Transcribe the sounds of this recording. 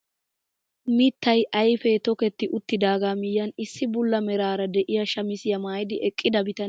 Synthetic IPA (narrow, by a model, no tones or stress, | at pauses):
mɪt̪ːɐjʔɐjfɛt̪ɔkɛt̪ːɪʔʊt̪ːɪd̪aːɡaːmɪjːɐnɪsːɪbʊlːɐmɛɾaːɾɐd̪ɛʔɪjɐʃɐmɪsɪjɐmaːjɪd̪ɪʔɛkʼːɪd̪ɐbɪt̪ɐn